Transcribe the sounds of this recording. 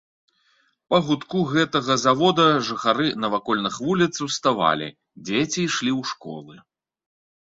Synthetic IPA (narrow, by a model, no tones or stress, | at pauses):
pɐɣut̪kuɣɛt̪ɐɣɐzavɔd̪ɐʐɨxaɾɨnɐvakɔlʲnɨxvulʲit̪sɐwst̪ava̰lʲḭ | d͡zʲet͡sʲiʂlʲiwʂkɔ̰lˠɨ